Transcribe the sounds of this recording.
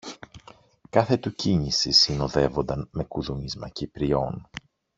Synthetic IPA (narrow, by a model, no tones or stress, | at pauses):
kɐθe̞t̪uciɲisisino̞ðe̞vo̞nd̪ɐnme̞kuðumizmɐ̰cipɾio̞n